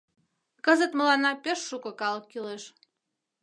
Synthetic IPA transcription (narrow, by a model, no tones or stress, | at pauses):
kəzə̆t̪mə̆lɑnɑpʲeʃːukɤ̆kɑlɤkːyleʃ